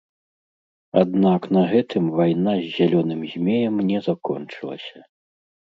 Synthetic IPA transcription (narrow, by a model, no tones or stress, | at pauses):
ad̪naknɐɣɛt̪ɨmvajnazʲːalʲɔnɨmzʲmʲɛjɐmnʲɛzakɔnt͡ʂɨlˠɐ̰sʲɐ